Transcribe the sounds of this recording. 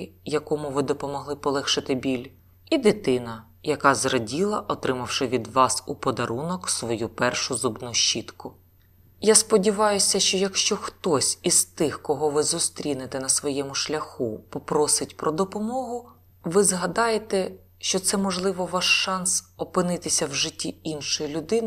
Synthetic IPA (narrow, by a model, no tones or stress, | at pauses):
jɐkɔmʊʋɪd̪ɔpɔmɔɦlˠɪpɔlˠɛxʃɪt̪ɪbʲilʲ | id̪ɪt̪ɪnɐ | jɐkɑzrɔdʲilˠɐʔɔt̪ɾɪmɐwʃɪʋʲid̪ʋɑsupɔd̪ɐɾunɔksʋɔjupɛrʃʊzubnuʃt͡ʃːit̪kʊ | jaspɔdʲiʋɑjʊsʲɐʃt͡ʃɔjɐkʃt͡ʃɔxt̪ɔsʲizt̪ɪxkɔɦɔʋɪzʊst̪ɾʲinet̪ɛnɐsʋɔjɛmʊʃlʲɐxupɔpɾɔsɪtʲpɾɔd̪ɔpɔmɔɦʊ | ʋɪzɦɐd̪ɑjet̪ɛ | ʃt͡ʃɔt̪sɛmɔʒlˠɪʋɔʋɑʃːɑnsɔpɪnɪt̪ɪsʲɐwʒɪtʲːiinʃɔjilʲʊd̪ɪnɪ